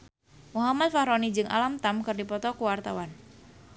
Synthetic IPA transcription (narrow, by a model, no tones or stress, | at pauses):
muɦamat̪̚fahɾɔnid͡ʒɨŋʔa̰lamt̪amkɨrdipɔt̪ɔkuwart̪awan